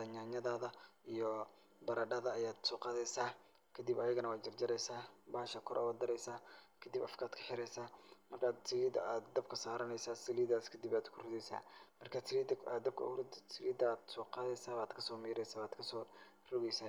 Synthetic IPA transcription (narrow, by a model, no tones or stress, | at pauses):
ɐɲaːɲɐðaːðɐʔijɔ | bɐɾɐɖɐðɐɐjaːd̪sɔːqɑːðɛjsaː | kʰɐd̪ibɐjɐɣɐnɐwaːd͡ʒɐrd͡ʒɐɾɛjsaːbaːʃɐkʰɔɾʔa̰waːd̪ɐɾɛjsaːkʰɐd̪ibɐfkʰaːd̪kʰɐ̥ħɪɾɛjsaːmɐrkʰaːd̪sɪliːd̪ɐaːd̪ːɐb̚kʰɐsaːɾɐnɛjsaːsɐliːd̪ðaːskʰɐd̪ibaːd̪kʰʊrʊðɛjsa̰ːmɐrkʰasʰɪɾiːd̪ad̪ɐb̚kʰɐ̰rsʰɪliːd̪aːd̪sɔːqɑːðɛjsaːβaːd̪kʰɐsɔːmiːɾɛjsaːβaːd̪kʰɐsɔː | rɔɣɛjsaː